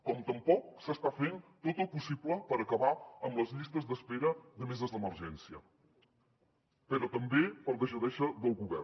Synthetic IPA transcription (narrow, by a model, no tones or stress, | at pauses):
kɔmt̪əmpɔk̚səst̪afent̪ot̪əlˠpusibləpəɾəkəβaəmləzʎist̪əzðəspeɾəðəmezəzðəməɾʒɛnsiə | pəɾɔt̪əmbepəlˠdəʃəðɛʃəðəlˠɣuβɛ̰r